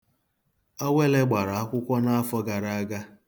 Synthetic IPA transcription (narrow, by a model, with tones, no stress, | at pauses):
ɔ˦we˦le˦ɡ͡ba˨ɾa˨a˦kʷʊ˦kʷɔ˦na˦a˦fɔ˦ɡa˨ɾa˦a˦ɡa˦